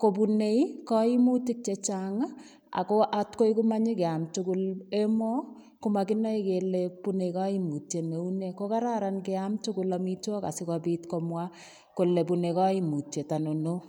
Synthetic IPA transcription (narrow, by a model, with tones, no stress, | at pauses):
ko˨p̬u˨ne˦jkɔ˦i˦mu˦ti˦k̚t͡ʃe˨t͡ʃaŋa˦ | a̰˨ko˦ʔatko˦i˦ku˦ma˦ɲi˦kɛ˨a˨mtuku˦le˦mɔ˦ | kuma˨kɪ˦nɔ˦i˦ke˨lepu˦ne˨ika˦i˦mu˨tje˨ne˨u˦ne˨ko˦ka˦ɾa˦ɾa˨nkeamtu˦kʊla˨mi˦twɔ˦ka̰˨sɪ˦kapi˦tkɔmwa | ko˨le˨pu˨ne˨kɔ˦i˦mu˨tje˨ta˨no˨no˦